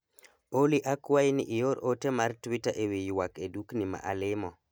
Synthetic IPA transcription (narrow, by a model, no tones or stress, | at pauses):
oliʔakwainḭʔijoɾotemartwitaʔewijwakeduknima̰ʔa̰lɪmɔ